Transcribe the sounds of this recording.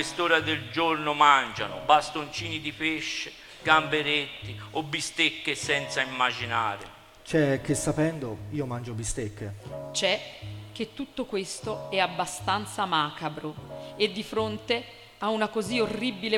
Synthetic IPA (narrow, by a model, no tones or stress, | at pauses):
est̪oːɾad̪eld͡ʒornomand͡ʒa̰nʊ̰bast̪ont͡ʃiːnid̪ipeʃːe | ɡ̥ambeɾet̪ːiobːist̪ekːesɛnt̪saimːad͡ʒinaːɾḛ | t͡ʃɛk̟ːesːapɛnd̪oiːomand͡ʒobist̪ekːet͡ʃɛk̟ːet̪ːut̪ːokwest̪oɛabːast̪ant̪samaːkabɾoed̪ːifɾont̪e | aunakoziorːibile